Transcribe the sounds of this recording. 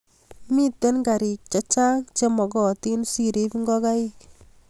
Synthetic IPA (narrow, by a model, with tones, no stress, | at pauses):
mi˦te˦nɡa˨ɾi˨k̚t͡ʃa˦t͡ʃa˦ŋt͡ʃe˦mɔ˨ɡɔ˨ti˦nsi˨ɾe˦piŋɡɔ˦ka˦i˦k